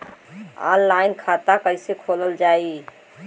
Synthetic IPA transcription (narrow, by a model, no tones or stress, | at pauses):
a̰lːaɪnkʰat̪akəɪsekʰoləld͡ʒai